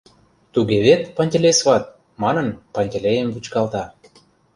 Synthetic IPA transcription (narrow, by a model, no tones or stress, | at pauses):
t̪uɣeβet̪pɑnʲt̪ʲĕlʲesβɑt̪̚ | mɑnə̆npɑnʲt̪ʲelʲejəmbut͡ɕkɑlt̪ɑ